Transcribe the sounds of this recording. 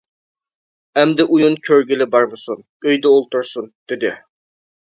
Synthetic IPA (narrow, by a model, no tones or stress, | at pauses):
ɛmd̪ɪʔujunkʲʰøɾɡʲɪlɪbɑɾmɨsun | øjd̪ɛolˠt̪ʊɾsund̪̥ɪd̪ɪ